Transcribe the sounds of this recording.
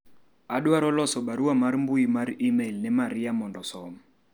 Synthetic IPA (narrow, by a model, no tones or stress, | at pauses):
aɗwaɾɔlɔsɔɓaɾuwamaɾmbuimaɾimelnɛmaɾijamɔndɔsɔm